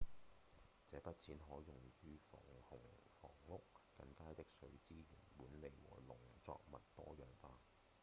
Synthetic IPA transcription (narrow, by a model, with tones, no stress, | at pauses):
t͡sɛː˨˥pɐ˥t̚t͡sʰiː˨˥nɦɔː˨˥jʊ˨˩ŋjyː˧fɔ̰ː˨˩ŋhʊ˨˩ŋfɔ̰ː˨˩ŋlʊ˥k̚ːɐ˧ŋkaː˥jt̪ɪ˥k̚sɵ˨˧ɥt͡siː˥ɥyː˨˩nmuː˨˥nle˨˩jwɔ̰ː˨˩lʊ˨˩ŋt͡sɔ̰ː˧k̚mɐ˨˩t̚t̪ɔː˥jœː˨ŋfaː˧